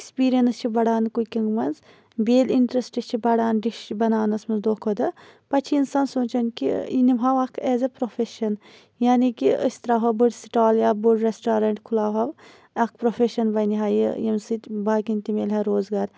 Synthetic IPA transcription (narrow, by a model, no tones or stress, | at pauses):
ekspiːɾijɐnst͡ʃʰibɐɽaːnkukiŋɡmɐnz | beːliɳʈɾɐsʈɐst͡ʃʰibɐɽaːnɖiʃbɐnaːnɐsmɐnzd̪oːkʰod̪ɐpɐt͡ʃʰiinsaːnsoːt͡ʃɐnkḭinimɦɐʋɐkʰɛːzɐpɾofeʃɐn | jaːnikiə̰sʲt̪ɾaːɦɐbɨɽsi̥ʈaːljaːbɨɽɾesʈaːɾɐɳʈkʰulaːɦɐʋ | ɐkʰpɾofeʃɐnbɐniɦaːjḭjimsɨt̪ʲbaːkint̪imʲelʲɦɐɾoːzɡaːɾ